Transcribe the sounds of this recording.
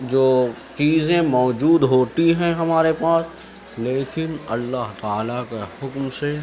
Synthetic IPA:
d͡ʒoː | t͡ʃiːzẽmɔːd͡ʒuːd̪ɦoːt̪iɦɛ̃ɦɐmaːɾepaːs | leːkɪnɐlːaɦt̪aːlakehʊkmse

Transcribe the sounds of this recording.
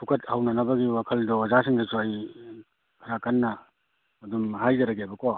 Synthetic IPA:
tʰukʰɐt̚hawnɐnɐbɐɡiwakʰɐldɔzasiŋdɐsuaj | kʰɐɾakanːɐː | dumɦajzɐɾɐɡebɐkɔ

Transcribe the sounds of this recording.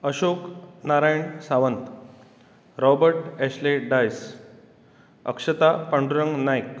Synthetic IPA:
əɕoknaɾajɳsaʋənt̪ | ɾɔbəɾʈɛɕleɖajs | ə̰kʂət̪apəɳɖuɾəŋɡnajk

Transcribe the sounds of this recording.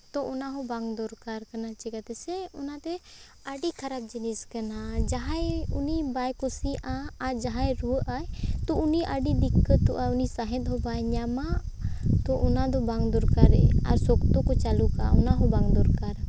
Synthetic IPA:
t̪ɔʔɔnaɦɔbaŋd̪ɔɾkaɾkanat͡ʃiɡat̪ɛsɛɔnat̪ɛ | aɖikʰaɾap̚d͡ʒiniskanad͡ʒaɦajunibajkusiʔaːɾd͡ʒaɦajɾuəʔajt̪ɔʔuniʔəɖid̪ikːət̪ɔʔaunisaɦɛ̃t̪̚ˀɦɔbajɲamat̪ɔʔɔnad̪ɔbaŋd̪ɔɾkaɾɛ̰a̰ɾsɔkt̪ɔkɔt͡ʃaluka̰ɔ̰naɦɔbaŋd̪ɔɾkaɾ

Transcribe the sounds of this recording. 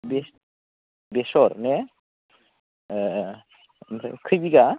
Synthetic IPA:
bes | besɔɾne | msʰa̰kʰɯjbiɡa

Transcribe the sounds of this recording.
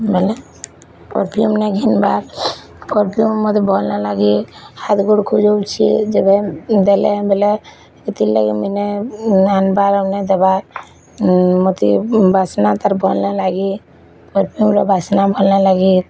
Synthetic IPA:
bɛlɛ | pɔ̰ɾpʰijumnɛɡʱinbaɾ | pɔɾpʰijumːɔt̪ibʱɔlnalaɡihat̪ɡoɽkʰud͡ʒowt͡ʃʰḭd͡ʒɛbɛd̪ɛlɛbʱɛlɛ | kit̪illa̰ɡiminɛanbaɾamnɛd̪ɛba | mot̪ḭbʱasnat̪aɾbʱɔlnalaɡi | pɔɾpʰijumɾɔbʱasnabʱɔlnalaɡi

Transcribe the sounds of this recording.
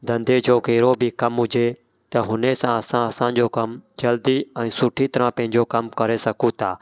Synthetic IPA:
d̪ə̃nd̪eːd͡ʒoːkeːɾoːbʱiːkəmɦʊd͡ʒeː | t̪əɦʊneːsãːəsãːəsãːd͡ʒoːkəmd͡ʒəld̪iːɛ̃ːsʊʈʰiːt̪əɾãːpə̃ɦɪ̃ɲd͡ʒoːkəmkəɾeːsəkʰũːt̪ʰaː

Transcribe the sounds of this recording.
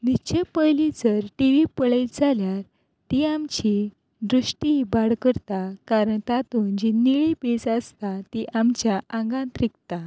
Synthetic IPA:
nit͡ɕepəjlid͡zəɾʈiʋipəɭejd͡zʱaljaɾ | t̪iamt͡ɕi | d̪ɾuʂʈibaɽkəɾt̪akaɾəɳt̪at̪und͡ʑiniɭipisast̪at̪iʔamt͡ɕjaʔãŋɡãnt̪ɾikt̪a

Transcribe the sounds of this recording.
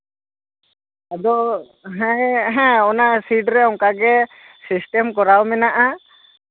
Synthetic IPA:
ad̪ɔ | ɦɛ̃jɦɛ̃ɔnasiɖɾɛɔŋkaɡɛ | sisʈɛmkɔɾawmɛnaʔa

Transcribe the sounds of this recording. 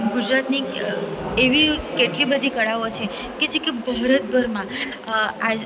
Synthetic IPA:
ɡud͡ʒɾat̪ni | eʋikeʈlibəd̪ʱikəɭaʋot͡ʃʰe | ked͡ʒekebʱəɦɾət̪̚bʱəɾmã | a

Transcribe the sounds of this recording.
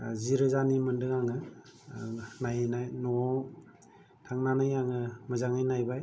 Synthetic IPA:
ziɾɯzanimɯndɯŋaŋɯ | najenajnɔ | tʰaŋnanɯjaŋɯmɯzaŋɯjnajbaj

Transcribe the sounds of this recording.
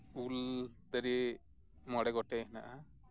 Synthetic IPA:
uld̪ɐɾi | mɔɽɛɡɔʈːɛɦna̰ʔa

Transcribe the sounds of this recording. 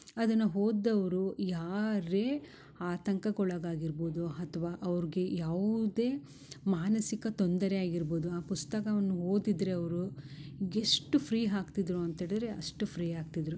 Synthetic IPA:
ɐd̪ɐnːuɦo̞ːd̪ːɐʋɐɾujaːɾe̞ː | aːt̪ɐŋkɐkɔɭɐɡaːɡiɾbo̞ːd̪uɐt̪ʰɐʋaːʔɐʋɐɾiɡe̞jaːʋud̪e̞ː | maːnɐsikɐt̪ond̪ɐɾejaːɡiɾbo̞ːd̪uaːpust̪ɐkɐʋɐnːuɦoːd̪id̪ɾe̞ɐʋɐɾu | eʂʈupʰɾiːɦaːkt̪id̪ɾuɐnt̪eːɽid̪ɐɾe̞ʔɐ̰ʂʈupʰɾiːaːkt̪id̪ɐɾu

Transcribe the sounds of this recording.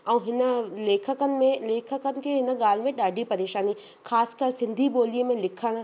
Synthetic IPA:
ɛ̃ũːɦɪnə̆leːkʰəkənɪ̆mẽleːkʰəkənɪ̆kʰeɦɪnə̆ɠaːl̤mẽɗaːɖʱipɐɾeːʃaːni | xaːskəɾsɪ̃nd̪ʱiɓoːliəmẽlɪkʰəɽ̃

